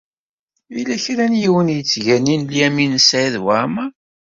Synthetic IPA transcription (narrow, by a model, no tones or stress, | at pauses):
ilæçɾænjiwənjət͡sːʝæninljæminsʕiðwamæ